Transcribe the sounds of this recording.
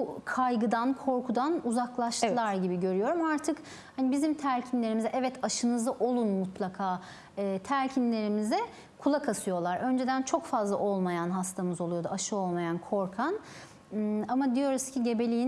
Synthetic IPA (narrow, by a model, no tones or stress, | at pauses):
bukʰajɡɯd̪ankʰo̞ɾkʰud̪anuzaklˠaʃt̪ɯlˠaɾɟibiɟø̞ɾyjo̞ɾumaɾt̪ʰɯk | hanibizimt̪ʰæɾcʰinlʲe̞ɾimizɛʔɛvɛt̪ʰaʃɯnɯzaʔo̞lˠunmut̪ʰlˠakʰaː | ɯːt̪ʰæɾcʰinlʲe̞ɾimizɛ | kʰulˠakʰasɯjo̞lˠaɾø̞nd͡ʒe̞d̪ænt͡ʃʰo̞kfazlˠaʔo̞lˠmajanɦast̪ʰamɯzo̞lˠujo̞d̪uaʃɯo̞lˠmajankʰo̞ɾkʰan | amad̪ijo̞ɾuscʰiɟe̞be̞lʲijin